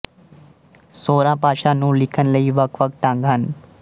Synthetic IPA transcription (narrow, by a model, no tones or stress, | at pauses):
soːɾãːpaːʃãːnũːlɪkʰənləiːʋəkʰʋək̚ʈãŋɡɦən